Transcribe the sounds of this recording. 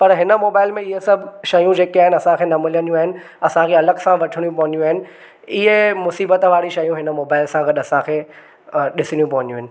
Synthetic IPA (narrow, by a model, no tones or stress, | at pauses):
pɐɾɦɪnə̆moːbaːɪlmẽɪɦesɐbʱʃɐjũd͡ʑeːkiaːɦɪnɪɐsãkʰeːnɐmɪliənjũaːɦɪnɪ̆ | ɐsãkʰeɐləɡsãʋɐʈʰɪɽ̃ijũp̬ɐʋə̃ɲd̪ijũaːɦɪnɪ̆ | ɪɦemʊsiːbət̪ʋaːɾiʃɐjũɦɪnəmoːbaːɪlsãɡɐɗɐsãkʰeː | ɗɪsɪɽ̃jũpɐʋə̃ɲjũːɦɪ̃̆nɪ̆